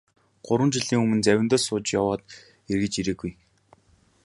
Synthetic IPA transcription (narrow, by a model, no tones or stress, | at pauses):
ɢ̥ʊɾwə̆nt͡ɕiɮiːŋɵmɘ̆nt͡sæwʲɪ̆t̪ɔːsʊːt͡ɕjawɔːt̪ | erɣɘ̆t͡ɕiɾeːɡuj